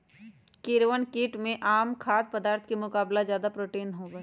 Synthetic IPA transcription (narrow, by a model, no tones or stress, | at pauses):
kɪɾwənkiːʈmẽʔaːmkʰaːd̪̚pəd̪aːɾt̪ʰkemʊkaːblazjaːd̪apɾoːʈeːnɦõːɡa